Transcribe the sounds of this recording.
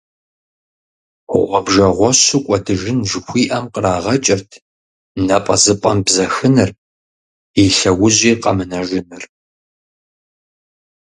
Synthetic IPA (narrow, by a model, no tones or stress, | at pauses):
ʊ̰ʔʷɔbʒɐʁʷɔɕʊkʷʼɔtʰɨʒɪnʒɨxʷiːʔɐmqəraːʁɐt͡ʃʼɪrtʰ | nɐpʼɐzɨpʼɐmbzɐxɨnɨr | iɬɐwʊʑiːqɐmɨnɐʒɪnɨr